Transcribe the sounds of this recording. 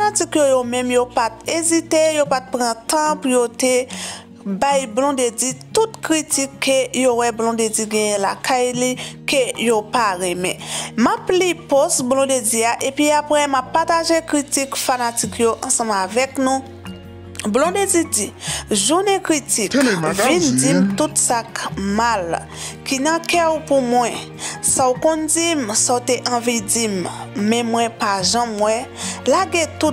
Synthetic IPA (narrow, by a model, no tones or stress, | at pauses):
fanatikjojomɛ̃mjopat̪ezit̪ejopat̪̚pʁãt̪ãpujote | bajblɔ̃d̪ed͡zitut̪kʁitikʰːejowɛblɔ̃d̪ed͡ziɡɛ̃jɛ̃lakajlikejopaʁɛmɛ̃maplipɔsblɔ̃d̪ediaʔepɥiapʁɛmapːataʒekʁitikfanatikjoʔãsʌ̃mavɛknũ | blɔ̃d̪edidiʒunɛkʁitikvindimt̪ut̪sakmal | kinãkɛupumwɛ̃ | saukɔ̃nd͡zimsaut̪eʔɐ̃vidimːɛ̃mwɛ̃paʒãmwɛlaɡɛ̃t̪u